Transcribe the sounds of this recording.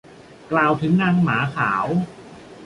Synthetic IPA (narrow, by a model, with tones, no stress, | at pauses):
klaː˧wt̪ʰɯ˦˥ŋnaː˧ŋmaː˩˦kʰaː˩˦w